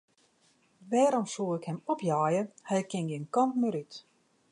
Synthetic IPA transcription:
ʋɛːɾɔmsuːɪkhɛmɔpʰjaːjəhɛjkɪnjɪnkɔmtməɾyt

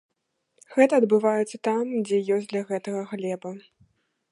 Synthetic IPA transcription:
ɣɛt̪ɐːd̪bɨvajɛt̪sːɐt̪amd͡zʲɛjɔsʲd̪lʲɐɣɛt̪ɐɣɐɣlʲɛbɐ

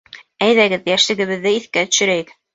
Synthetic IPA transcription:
æjðæɡɘðjæʃlɘ̆ɡɘ̆βɘ̆ðːɘiθkæt̪ɵ̥̆ʃɘ̆ɾæjɘk

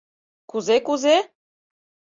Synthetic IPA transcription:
kuzekuze

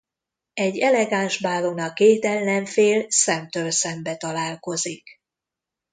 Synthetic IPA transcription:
ɛɟːɛlɛɡaːnʒbaːɾonɒkeːt̪ɛlːɛɱfeːlsɛmt̪øːlsɛmbɛt̪ɒlaːlko̞zik

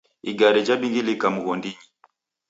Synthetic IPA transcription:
ḭɡaɾɛd͡ʒaɓiŋɡilikamuɣɔndiɲi

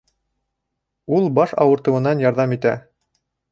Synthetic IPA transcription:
ulˠbɑʃɑ̰wɤ̆ɾt̪ɤ̆wɤ̆nɑnjɑɾðɑmit̪æ

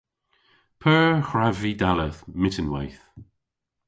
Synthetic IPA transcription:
pʰɜːxɹavidaləθmɪtənwajθ

